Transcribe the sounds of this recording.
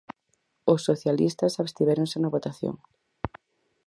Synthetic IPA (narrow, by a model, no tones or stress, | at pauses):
osːoθjalḭst̪ɐsaβe̥st̪iβɛɾoŋsɪnɐβot̪aθjo̰ŋ